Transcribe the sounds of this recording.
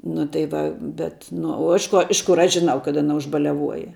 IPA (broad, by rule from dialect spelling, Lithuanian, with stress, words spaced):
nʊ tɐɪ ˈʋɐ bʲɛt nʊ oː ˈɪʃ ˌkoː ˈɪʃ ˌkʊr ˈɐʃ ʒʲɪˈnɐʊ kɐt ɐˈnɐ ʊʒbɐlʲɛˈʋuɔjɛ